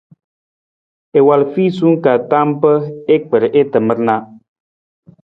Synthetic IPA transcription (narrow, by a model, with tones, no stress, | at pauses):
e˨wa˨lfi˦su˦ŋ˦ka˨ta˦mpə˦e˦k͡pə˨ɾʔe˦tə˨mə˦ɾna˦